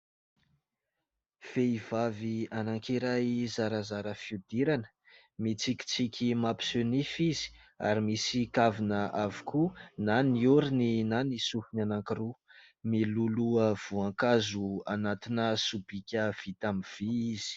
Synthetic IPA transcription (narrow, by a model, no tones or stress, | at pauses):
v̥eiv̥avianaŋkiɾajzaɾəzaɾəfiud̪iɾanə̥ | mit͡sikʲi̥t͡sikʲʰimapi̥sønifiz̥i̥ | a̰ɾimisikavinəʔavukʰunaniuɾininanisuhinanaŋkɾu | miluluəv̥uaŋkazuanat̪inəsubikʲəv̥it̪amiv̥iiz̥i̥